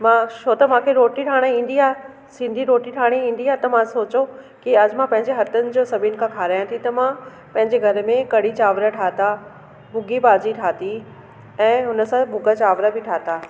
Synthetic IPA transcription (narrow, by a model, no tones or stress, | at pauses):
mãt͡ɕʰoːt̪ɐmãːkʰeɾoːʈiʈʰaːɽ̃ĩːn̆d̪iaː | sɪ̃nd̪ʱiɾoːʈiʈʰaːɽ̃iĩːn̆d̪iaːt̪ɐmãsoːt͡ɕo | kiɐd͡ʑmãpɐ̃ɦɪ̃ɲd͡ʑeɦɐt̪ənɪ̆d͡ʑoːsɐbʱɪʊnɪ̆kʰãkʰaːɾaːjãt̪ʰit̪ɐmã | pɐ̃ɦɪ̃ɲd͡ʑeɡʱɐɾmẽkɐɽ̤it͡ɕaːʋɾəʈʰaːt̪a | bʱʊɡibaːd͡ʑiʈʰaːt̪i | ɛ̃ːɦʊnəsãbʱʊɡət͡ɕaːʋɾəbɪʈʰaːt̪aː